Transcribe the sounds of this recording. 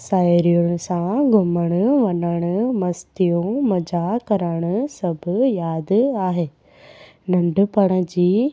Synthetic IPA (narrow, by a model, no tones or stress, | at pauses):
saːɾijʊɽ̃ʊ̆sãɡʱʊməɽ̃ʊʋɐnəɽ̃ʊmɐst̪ijũmɐd͡ʑakɐɾəɽ̃ʊsɐbʱʊjaːd̪aːɦeː | nɐ̃ɳɖʱʊpɐɽ̃ə̆d͡ʑiː